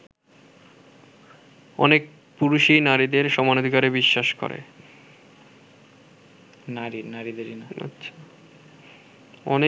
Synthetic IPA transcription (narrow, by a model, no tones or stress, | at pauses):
ɔ̰nek̚ | puɾuʃinaɾid̪eɾʃɔmanod̪ʱikaɾebiʃːaʃko̰ɾḛ | naɾinaɾid̪eɾinaa̰tːɕʰḁ | ɔ̰ne